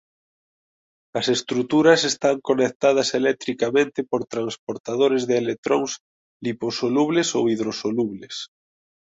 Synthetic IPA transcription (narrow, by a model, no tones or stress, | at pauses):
ɐsest̪ɾut̪uɾɐsest̪aŋkonek̚t̪aðɐselɛt̪ɾikamẽnt̪ɪpoɾt̪ɾanspoɾt̪aðoɾezðɪelek̚t̪ɾoŋs | liposoluβlesowiðɾosoluβles